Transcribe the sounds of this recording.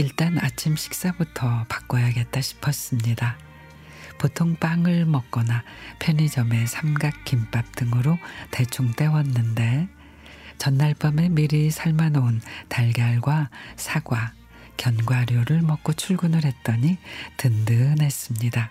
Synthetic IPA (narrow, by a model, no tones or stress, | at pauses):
iɭt͈anat͡ɕʰimɕʰi̥k̚s͈abutʰʌpḁk͈ʌjaɡe̞t̚t͈aɕʰi̥pʰʌs͈ɯmɲida | potʰoŋp͈aŋɯɭmʌk̚k͈ʌnapʰjʌnid͡ʑʌme̞sʰamɡak̚k͈imp͈ap̚t͈ɯŋɯɾote̞t͡ɕʰoŋt͈e̞wʌnːɯnde̞ | t͡ɕʌnːaɭp͈ʌme̞miɾisʰaɭmanountaɭɡjaɭɡwasʰaɡwa | kjʌnɡwaɾjoɾɯɭmʌk͈̚ot͡ɕʰuɭɡunɯɾɦe̞t̚t͈ʌɲitɯndɯne̞s͈ɯmɲida